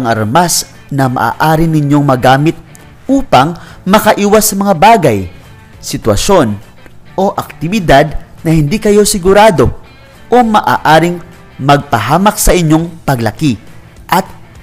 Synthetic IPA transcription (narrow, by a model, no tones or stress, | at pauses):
ŋʔɐɾmas | nɐmɐ̰ʔa̰ːʔaːɾɪnɪɲjo̞ŋmɐɡaːmɪt̪̚ | uːpɐŋmɐkɐʔiːwɐsːɐmɐŋabaːɡɐj | sɪt̪wɐ̰ʃo̞n | ʔo̞ʔɐk̚t̪ɪbɪd̪ad̪̚nɐhɪnd̪ikɐjo̞sɪɡʊɾaːd̪o̞ | ʔomɐʔa̰ːʔaːɾɪŋ | mɐɡ̚pɐɦaːmɐk̚sɐʔɪɲjo̞ŋpɐɡlɐki | ʔɐt̪̚